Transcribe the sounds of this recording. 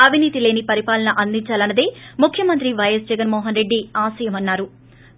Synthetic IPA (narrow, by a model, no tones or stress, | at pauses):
ɐbʱiniːt̪ile̞ːnipɐɾipaːlɐnɐʔɐnd̪iɲt͡ʃaːlɐnːɐd̪eːmukʰjɐmɐnt̪ɾiʋɐjɐs̬d͡ʒɛɡɐnmɔːɦɐnɾe̞ɖːiaːsɐːjɐmɐnːaːɾu